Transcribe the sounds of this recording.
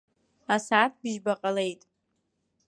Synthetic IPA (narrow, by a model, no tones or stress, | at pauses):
asaːtʰbɪʒbaqʼale̞jtʼ